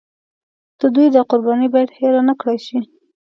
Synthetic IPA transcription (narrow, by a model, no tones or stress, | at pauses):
d̪̥əd̪ujd̪əqʊɾbɑnibɑjad̪heɾɑnəkɽajʃi